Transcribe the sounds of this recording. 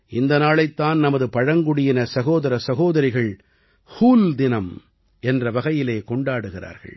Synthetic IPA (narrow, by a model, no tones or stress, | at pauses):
ʔɪnd̪ɐnaːɭɐɪt̪ːaːnnɐmɐðɯpɐɻɐŋɡʊɽɪjɪnɐsɐɣoːðɐɾɐsɐɣoːðɐɾɪɣɐɭ | huːld̪ɪnɐm | ʔɛndrɐʋɐɣɐjɪleːkɔɳɖaːɽɯɣɪra̰ːɾɣɐ̰ɭ